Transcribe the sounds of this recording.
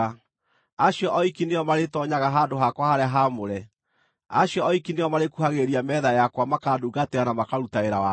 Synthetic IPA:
aɕjɔʔɔikineɔmaɾetɔɲaɣaɦaːdoɦakwahaɾeaɦamoɾɛ | aɕjɔɔikinejɔmaɾekuɦaɣeɾiamɛðajakwamakaːduːɡateanamakaɾutaeɾawa

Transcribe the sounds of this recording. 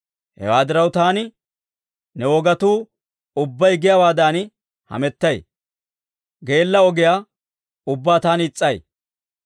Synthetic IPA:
hɛ̰waːd̪ɪɾɐwt̪aːnɪ | nɛɔɡɐt̪uː | ʊbːɐjɡɪjɐwaːd̪aːn | hɐ̰mɛt̪ːɐj | ɡe̞ːlːɐɔɡɪjaː | ʊbːaːt̪aːnɪt͡sʼːɐj

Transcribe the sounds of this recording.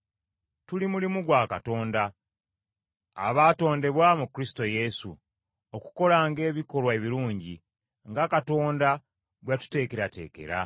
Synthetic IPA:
tulimulimuɡwaːka̰to̞ːnda | βaːto̞ːnde̞βwaːmukɾisi̥to̞je̞sṵ | oku̥ko̞laːŋɡe̞ːβiko̞lwae̞βiɾuːɲɟi | ŋɡakato̞ːnda | ɡwatu̥te̞ːkeɾate̞̰ːke̞̰ɾa̰

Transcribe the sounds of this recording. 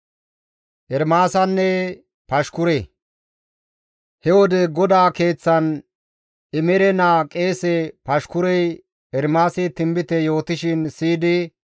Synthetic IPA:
ʔɛɾmaːsɐnːɛ | pɐʃkʊɾɛ | hɛwɔd̪ɛɡɔd̪aːke̞ːt͡sːɐn | ɪmɛɾɛnaːkʼe̞ːsɛpɐʃkʊɾɛj | ɛɾmaːsɪt̪ɪmbɪt̪ɛjo̞ːt̪ɪʃɪnsiːd̪ɪ

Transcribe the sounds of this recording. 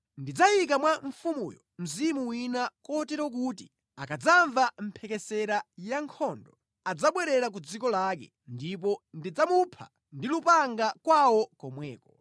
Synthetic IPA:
ndid͡zajik̬amwaɱ̩fumṵjɔ̰m̩zimuwinakɔtɛɾɔk̬uti | akad͡zaɱvam̩pʰɛkɛsɛɾajaŋkʰɔndɔ | ad͡zaɓwɛɾɛɾak̬ud͡zikɔlakɛ̰ | ndipɔndid͡zamupʰa̰ | ndilupaŋɡakwawɔkɔmwɛːkɔ

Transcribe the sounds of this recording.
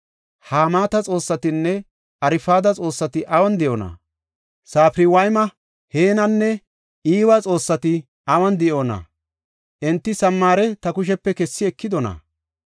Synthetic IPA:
haːmaːt̪ɐt͡sʼo̞ːsːɐt̪ɪnːɛ | ʔɐɾɪfaːd̪ɐt͡sʼo̞ːsːɐt̪ɪʔɐwɐnd̪ɪʔonɐ̰ | saːfɾɪwɐjmɐ | heːnɐnːɛ | ʔiːwat͡sʼo̞ːsːɐt̪ɪ | ɐwɐnd̪ɪʔo̞ːnɐ̰ | ʔɛnt̪ːɪsɐmːaːɾɛt̪ɐkʊʃ̬ɛpːɛkɛsːɪɛkːɪd̪ɔnɐ̰

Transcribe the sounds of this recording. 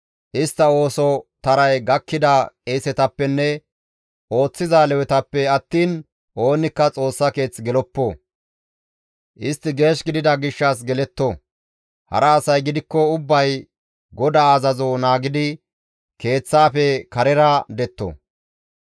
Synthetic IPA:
ʔɪst̪ːɐo̞ːsɔt̪ɐɾɐjɡɐkːɪd̪ɐkʼeːsɛt̪ɐpːɛnːɛ | ʔo̞ːt͡sːɪzaːlɛwɛt̪ɐpːɛɐt̪ːiːn | ʔo̞ːnɪkːɐt͡sʼo̞ːsːɐke̞ːt͡sːɡɛlɔpːo | ʔɪst̪ːɪɡe̞ːʃɡɪd̪ɪd̪ɐɡɪʃːɐs̬ɡɛlɛt̪ːɔ | hɐ̰ɾɐːsɐjɡɪd̪ɪkːɔʊbːɐj | ɡɔd̪aɐzɐzonaːɡɪd̪ɪ | ke̞ːt͡sːaːfɛkɐɾɛɾɐd̪ɛt̪ːɔ̰

